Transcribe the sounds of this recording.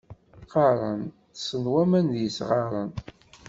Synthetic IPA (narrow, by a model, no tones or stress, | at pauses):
fɑɾˤən | sənwæmænðjəsʁɑɾˤən